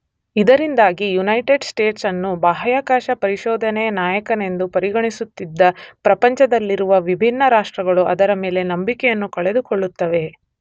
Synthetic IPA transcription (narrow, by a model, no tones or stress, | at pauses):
id̪ɐɾind̪aːɡijunɐjʈeɖsʈe̞ːʈsɐnːubaːɦɐjaːkaːʃɐpɐɾiʃɔːd̪ʱɐnɛjɐnaːjɐkɐne̞nd̪upɐɾiɡɐɳisut̪ːid̪ːɐpɾɐpɐɲt͡ʃɐd̪ɐlːiɾuʋɐʋibʱinːɐɾaːʂʈɾɐɡɐɭuʔɐ̰d̪ɐɾɐme̞ːle̞nɐmbikɛjɐnːukɐɭe̞d̪ukoɭːut̪ːɐʋe̞